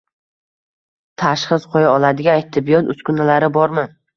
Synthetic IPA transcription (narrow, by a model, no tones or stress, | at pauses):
t̪ʰaʃχɨzqʰojaɒlˠad̪ɪɡʲaːjt̪ʰːɪbɪjɒt̪ʊskʊnalaɾɪbɒɾmɪ